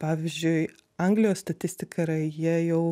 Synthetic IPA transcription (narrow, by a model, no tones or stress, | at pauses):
pɑːʋʲɪzʲd͡ʒʲʊɪ | ɐŋɡlʲɪjoːsst̪ɐt̪ʲɪsʲt̪ʲɪkʰɐɾɐjiɛjɛʊ